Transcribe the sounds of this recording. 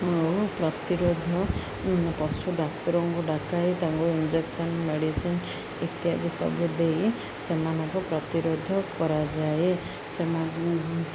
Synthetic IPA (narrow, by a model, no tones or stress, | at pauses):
opɾɔt̪iɾod̪ʱɔ | pɔsuɖaktɔɾɔŋkuɖakait̪aŋkuind͡ʒeksɔnmeɽisin | et̪iɦad̪isɔ̰bud̪ej | semanɔŋkɔpɾɔt̪iɾod̪ʱɔkɔɾad͡ʒae | sema